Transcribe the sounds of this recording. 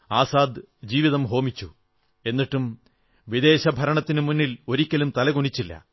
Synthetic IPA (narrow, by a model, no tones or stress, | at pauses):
aːsaːd̪ | d͡ʑiːʋiðɐmɦo̞ːmit͡ɕːu | e̞nːiʈːum | ʋid̪e̞ːɕɐbʱɐɾɐɳɐt̪ːinɨmunːilo̞ɾikʲːɐlumt̪ɐlɐɣuɳit͡ɕːilːɐ̰